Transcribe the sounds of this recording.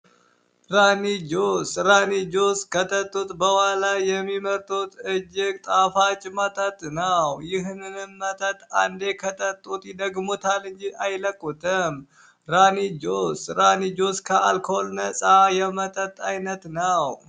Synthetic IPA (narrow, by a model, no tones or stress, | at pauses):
ɾanid͡ʒosɾanid͡ʒoskət̪ʰʼət̪ʼːut̪bəwalajɛmːiməɾt̪ʰut̪ɨd͡ʒɪk̚t̪ʼafat͡ʃʼmət̪ʼət̪ʼnəwjɪɦnɨnɨmːət̪ʼət̪ʼand̪e̞kʰət̪ʼʰət̪ʼːut̪jɪd̪əɡmut̪ʰalɨɲd͡ʒiʔajləkʼːut̪ʰɨm | ɾanid͡ʒosɾanid͡ʒoskʰəʔalkʰoolnəsʼajɛmət̪ʼət̪ʼajnət̪nəw